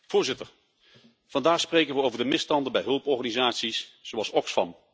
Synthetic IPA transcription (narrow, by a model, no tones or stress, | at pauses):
v̥ʊːɹzɪtəɹ | v̥ɑndaːχsprejkənʋəowvəɹdəmɪstɑndəbɛjɦɵlˠpɔɹχanizaːtsisz̥oɑlˠsɔksfɑ̰m